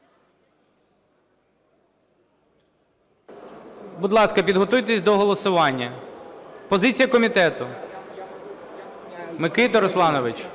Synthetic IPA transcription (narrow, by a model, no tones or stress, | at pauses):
bʊd̪lˠɑskɐpʲid̪ɦɔt̪ujt̪esʲd̪ɔɦɔlˠɔsʊʋɑnʲːɐ | pɔzɪt͡sʲijɐkɔmʲit̪ɛt̪ʊ | mekɪt̪ɔɾɔslˠɑnɔʋɪt͡ʃ